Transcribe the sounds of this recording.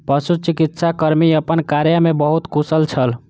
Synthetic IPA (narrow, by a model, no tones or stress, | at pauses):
pəsut͡ʃikit̪sakəɾmiəpənkaɾjəmebəɦut̪kusəlt͡ʃʰəl